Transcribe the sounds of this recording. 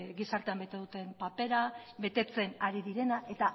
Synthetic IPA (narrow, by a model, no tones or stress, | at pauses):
ɡisaɾt̪e̞ambe̞t̪e̞ð̞ut̪e̞mpape̞ɾaβe̞t̪e̞t͡se̞naɾiðiɾe̞naʔe̞t̪a